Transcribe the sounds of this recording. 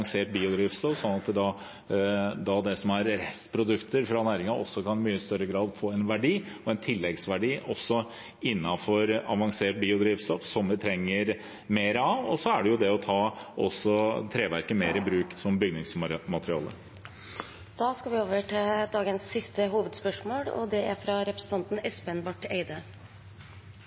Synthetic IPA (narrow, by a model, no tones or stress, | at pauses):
ŋseːʈ̚biːʊd̪ɾiːʋst̪ɔfsɔnːɑt̪̚ɛd̪ɑ | d̪ɑd̪ɛsɔmæɾɾɛspʰɾʊd̪ʉkt̪əɾfɾɑnæːɾɪŋɑʔɔ̰sːɔkʰɑnɪmyːəst̪œɾːəɡɾɑːd̪foːɛnʋæɖiː | ɔɛnt̪ʰɪlːɛɡsʋæɖiːʔɔsːɔ | ɪnːɑfɔɾɑʋɑŋseːʈ̚biːʊd̪ɾiːʋst̪ɔfsɔmʋɪt̪ʰɾɛŋːəɾ | meːɾəɑʋɔsɔæɖɛjʊd̪ɛɔt̪ʰɑːɔ̰sːɔt̪ʰɾeːʋæɾkəmeːɾəbɾʉːksɔmbʏɡnɪŋsmɑt̪əɾɪɑ̰ːlə̰ɾ | d̪̥ɑːskɑʋɪoːʋəʈɪld̪ɑːɡənsːɪst̪əɦuːʋəd̪spœʂmoːlɔ̰d̪ɛæɾfɾɑɾɛpɾəsn̩ʰɑnt̪n̩ɛspeɛnbɑʈeɪd̪ə